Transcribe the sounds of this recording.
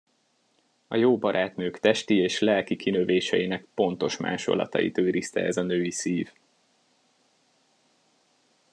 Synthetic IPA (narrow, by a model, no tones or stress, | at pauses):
ɒjoːbɒɾʔaːt̪nøːkt̪ɛʃt̪ieːʃlɛlkikʰinøveːʃɛjinɛkpo̞n̪t̪o̞ʃma̰ːʃo̰lɒ̰t̪ɒ̰jḭt̪øːɾist̪ɛ̰ɛzɒnøːisiːv